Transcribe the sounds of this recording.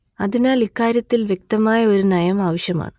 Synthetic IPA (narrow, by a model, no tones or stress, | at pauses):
ɐðinaːlikːaːɾjɐt̪ːilʋje̞k̚t̪ɐmaːjɐo̞ɾunɐjɐmaːʋɐɕjɐma̰ːɳɨ